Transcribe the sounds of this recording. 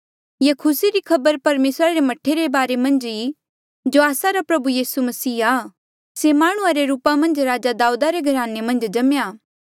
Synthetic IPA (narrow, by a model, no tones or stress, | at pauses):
jekʰʊsiɾikʰɐbəɾpɐɾmeːsɾaɾemɐʈʰeɾebaːɾemɐ̃nd͡ʒi | d͡ʒoaːsaɾapɾɐbujiːsumɐsiːa | semaːɽ̃ʊ̃ãɾeɾuːpamɐ̃nd͡ʒɾaːd͡ʒad̪aːuːd̪aɾeɡʱɐɾaːnemɐ̃nd͡ʒd͡ʒɐmjaː